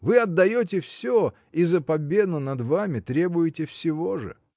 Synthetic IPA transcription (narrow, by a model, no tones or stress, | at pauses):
vɨɐd̪ːɐjot̬ʲɪfsʲo | izəpɐbʲe̞d̪ʊnɐd̪vamʲɪt̪ɾʲe̞bʊjɪtʲɪfsʲɪvo̞ʐɨ̰